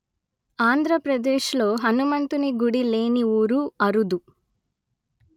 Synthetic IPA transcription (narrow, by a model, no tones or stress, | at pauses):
aːnd̪ʱɾɐpɾɐd̪eːʃlo̞ːɦɐnumɐnt̪uniɡuɽile̞ːniuːɾuɐɾud̪u